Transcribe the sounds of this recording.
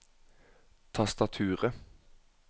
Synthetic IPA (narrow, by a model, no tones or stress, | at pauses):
t̪ʰɑst̪ɑt̪ʰʉːʁə